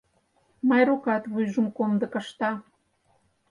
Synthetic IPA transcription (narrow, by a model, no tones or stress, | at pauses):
mɑjɾukɑt̪βujʒə̆mkomd̪ɤ̆kə̆ʃt̪ɑ